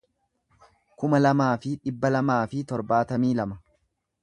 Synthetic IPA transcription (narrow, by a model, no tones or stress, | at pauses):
kʊmɐlɐmaːfɪᶑɪbːɐlɐmaːfɪt̪ɔɾbaːt̪ɐmiːlɐmɐ